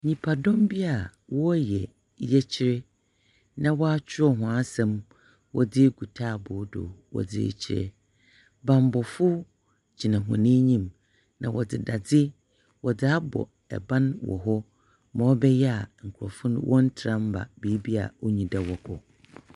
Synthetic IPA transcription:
ɲĩ˨pʰa˨dɔ̃˦mbi˦a˨wɔ˦jɛ˨ | jɛ˦t͡ɕʰɪ˦ɾɛ˦ | nã˦wɔ˦a˦t͡ɕʰᶣɪ˦ɔ˦ɦʊ̃˨a˦sɛ̃˦m | wɔ˦dɪ˦ɡu˨tʰaː˦˨bʊ˨˦dʊ̰˨wɔ̰˨d͡zɪ̰˦t͡ɕʰɪ˦ɾɛ̰˨ | bã˨m˨˦bɔ˨fʊ˦ | d͡ʑʰi˨nã˨ɦɔ̃˨nĩ˦ɲĩ˦m | nã˨wɔ˨dɪ˨da˨d͡zɪ˦ | wɔ˨dɪ˨˦a˦bɔ̰˨ | ɛ̰˨bã˦nwɔ̰˨ɦɔ˦ | mã˨wɔ˦bɛ˦jɛ˦a˨ŋ̩˨kʰʊ˨ɔ˨fʊ̃˦n˦wʔɔ̰˦n̩˦tʰɪ˨ɾã˦m̩˦ba̰˨beː˨˦bi˦a̰˨wɔ˦ɲĩ˨da˨wɔ˨kʰɔ˨

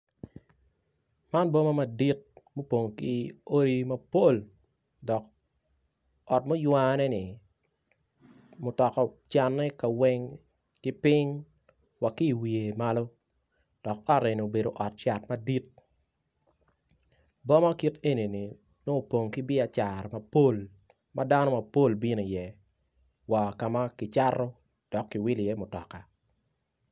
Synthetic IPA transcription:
ma˦nbɔ˦ma˦ma˨di˦t̚mo˦po˨ŋki˦o˦ɾi˦mɐ˦po˦l | dɔ˨k | ɔ˨tmo˦jwa˦nɛ˦nɪ˨ | mʊ˨tɔ˨kɔ˨t͡ʃa˨nːɛ˦ka˨wɛ˦ŋ | kɪ˦pɪ˦ŋ | wa˨ki˦˨wi˨e˨ma˦lo˦ | d̥ɔ˨k̚ɔ˦tɛ˨ni˨o˨be˨do˨ʔɔ˨t̚t͡ʃa˨tmɐ˦di˦t̚ | bɔ˦ma˦ki˦te˦ni˨ni˨ | no˦o˨po˨ŋkɪ˦bɪ˦a˨t͡ʃa˨ɾma˨po˦l | mʔada˦nɔ˦mɐ˨po˦˨lbi˦no˨jɛ˨ | wa˨ka˨ma˦kɪ˨t͡ʃa˦ro˦ | d̥ɔ˨kːɪ˨wi˦lɪ˨jɛ˦mʊ˨tɔ̰˨ka˨

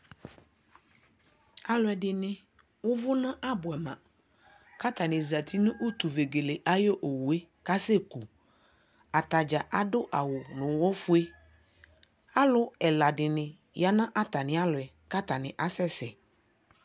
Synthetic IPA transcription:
a˨lʊ˨ɛ˨ɖɪ˨nɪ̃˦ | wʊ˦vʊ˦nã˦ʔa˦bʊ˨ɛ˨mã˨ | ka˦t̪a˨nɪ̃˨za˨t̪ʰi˦nʊ̃˦ʔu˦t̪u˨ve˨ɡe˨le˨ʔa˦jo˦ʔo˨wu˨e˦ | ka˦se˦ku˨ | a˨t̪a˨d͡ʒa˨ʔa˦ɖʊ˦ʔa˨wʊ˨nʊ̃˨wo˦fʊ˦e˦ | a˦lʊ˦ɛ˨la˨ɖɪ˨nɪ̃˨ | ja˨˦nã˦ʔa˦t̪a˨nɪ̃˨˦a˦lʊ˨ɛ˨ | ka˦t̪a˨nɪ̃˨ʔa˦sɛ˦sɛ˨

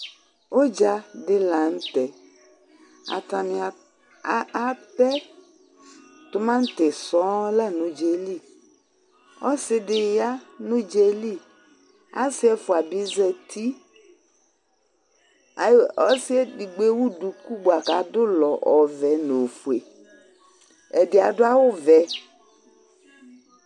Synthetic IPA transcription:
o˦d͡ʒa˨dɪ˨la˨ŋ̩˦t̪ɛ˨ | a̰˨t̪a˨mɪ̃˨a˨˦ | a˦pɛ˦ | tʊ˦mã˦n̩˦t̪ɛ˨sɔ˨˦la˦nũ˨d͡ʒe˨li˦ | ɔ˦sɪ˦dɪ˨ja˦nũ˦d͡ʒe˨li˦ | a̰˦sɪ˦ɛ˦fʊ˨a˨bi˨˦zɛ˨t̪ʰi˦ | a˨ɔ˦sɪ˦ɛ˦di˨ɡ͡be˦wu˦du˨ku˦bo˨a˨ka˨dʊ˦lɔ˨ʔɔ˨vɛ˨no˨fu˨e˨ | ɛ˨dɪ˨a˨dʊ˦a˦wʊ˦vɛ˨

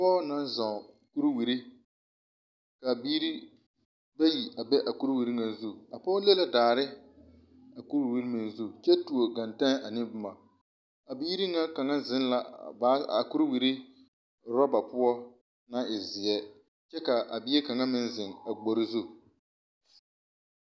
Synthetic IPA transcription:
a˨pɔː˦na˦n˦zã˨ | ku˦ɾwi˨ɾi˦ | ka˨biː˦ɾi˦ | ba˦ji˨ʔa˨bɛ˦ʔa˨ku˦ɾwi˨ɾi˦ŋa˨zu˦a˨pɔː˦le˦la˦daː˨ɾɪ˦ | a˨ku˦ɾwi˨˦ɾi˦mɪ˨nzu˦t͡ʃɛ˦tu˨o˨ɡa˨nta˦n˦a˨nɪ˦bʊ˦ma˨ | a˨biː˦ɾi˦ŋa˦ka˨ŋa˦zɪ˦n˦la˨ba˦a˨ku˦ɾwi˨ɾi˦ | ɾɔ˦ba˨pʊ˦ɔ˦ | na˦ɪ˨zɪ˨ɛ˦ | t͡ʃɛ˦ka˨ʔa̰˨bɪ˦e˦ka˨ŋa˦mɪ˦nzɪ˨ŋa˨ɡ͡bo˨ɾɪ˦zu˦

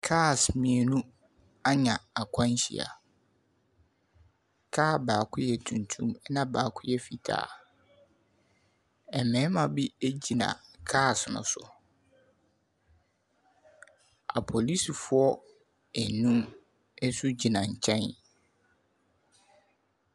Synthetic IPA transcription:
kʰa˦˨smĩ˨e˨nũ˦ | a˦ɲã˨a˨kʷʰã˦n˦ɕḭ˨a̰˨ | kʰaː˦˨baː˨kʰʊ˦jɛ˨tʰũ˨n˨tʰũ˦mɛ˦nã˦baː˨kʰʊ˦jɛ˦fi˨tʰa̰ː˦˨ | ɛ˨mɛ̃˨˦mã˨bi˦e˦d͡ʑi˨nã̰˨kʰaː˦˨snʊ̰̃˨sʊ̰˨ | a̰˨pʰo˨li˦si˨fʊ˦ɔ˦ | ɛ˨nũ˦m | ɛ˦su˦d͡ʑi˨nã˨ɲ̩˨t͡ɕʰɛ̃˦n

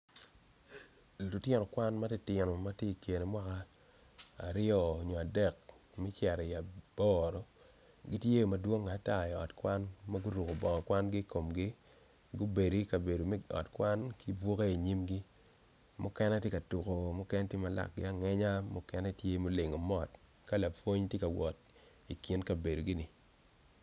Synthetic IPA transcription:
lʊ˨tje˦nɔ˨kwa˦nma˦ti˦tɪ˨nɔ˨ma˦te˦˨kje˨ne˨mwa˦kaː˦˨ | ɾɪɔː˦˨ɲɔ˨a˨dɛ˦˨k̚ | mi˦t͡ʃɛ˨ɾɛ˨ia˨b̥ɔ˦ɾɔ˨ | ɡi˦tje˦˨ma˨dwo˦ŋa˨˦ta˦˨ɛ˨ɔ̰˨tkwa˦nma˦ɡu˦ɾu˨ko˨bɔ˨kɔ˨kwa˦nɡi˦ko˨mɡi˦ | ɡu˦be˨di˦ka˨be˨do˨m˦ɔ̰˨tkwa˦nki˦bwo˦ke˦i˨ɲi˦mɡi˦ | mʊ˦kɛ˦nɛ˦tje˦ka˨tu˨ko˨mʊ˦kɛ˦n˦tje˦ma˨la̰˦˨k̚ɡɪ˦a˦˨ŋɛ˦ɲa˦mʊ˦kɛ˦nɛ˦tje˦mo˦le˨ŋo˨mɔ˦˨t | ka˦la˨pwo˦ɲtje˦ka˨wɔ˨t̚ | i˨ki˦nka˨be˨do˨ɡi˦nɪ˨

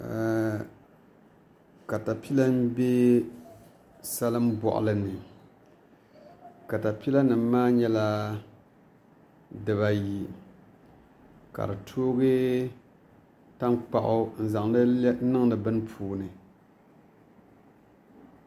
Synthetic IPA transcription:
ka˨ta˨pi˦la˦m˦be˦ | sa˦lɨ˦m˦bɔ̰˨ʔʊ̰˨lɨ˨nɨ˨ | ka˨ta˨pi˦la˦nɨ˨m˦maː˦ɲɛ˦la˦ | dɨ˨βa˨ji˨ | ka̰˨ɾɨ˨tʰoː˦ɡɨ˦ | ta˦nk͡pa˨ʔʊ˦n̩˦za˨ŋɨ˦nɨ˦ŋnɨ˨bɨ˦n˦pʰuː˨nɨ˨

